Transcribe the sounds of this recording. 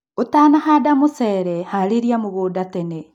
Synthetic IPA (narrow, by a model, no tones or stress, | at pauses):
otaːnahaːdamosɛːɾɛhaɾeɾiamoɣoːdatɛnɛ